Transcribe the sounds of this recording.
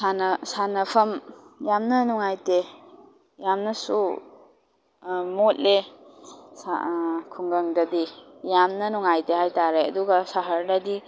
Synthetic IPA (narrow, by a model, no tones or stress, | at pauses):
sanɐsanɐpʰɐmjamnɐnuŋajte | jamnɐsṵ | mot̚le | sa̰kʰuŋɡɐŋdɐdijamnɐnuŋajteɦajtaɾeɐ̰duɡɐsaɦɐɾnɐdi